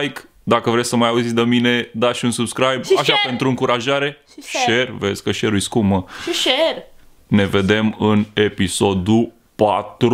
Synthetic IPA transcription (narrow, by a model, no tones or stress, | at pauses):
jk | d̪akəvɾesʲsəmajauzitsʲd̪əmine̞d̪aʃiunsubskɾajbaʃape̞nt̪ɾuɨŋkuɾaʒaɾe̞ | ʃe̞rvezʲkəʃe̞ɾujskuməʃer | ne̞ve̞d̪e̞mɨne̞piso̞d̪u | pat̪ɾ